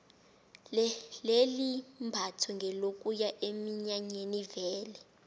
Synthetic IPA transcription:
llelimbʱatʰɔŋɡʱɛlokʼujaʔemiɲaɲenivɛːlɛ

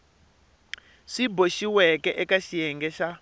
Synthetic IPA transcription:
ʂiboʃiwɛkɛʔɛkaʃijɛŋɡɛʃa

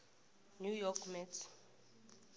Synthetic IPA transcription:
njujɔkʰmɛt

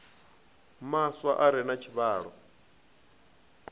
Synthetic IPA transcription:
maswaʔaɾɛnat͡ʃʰiβaːɺɔ

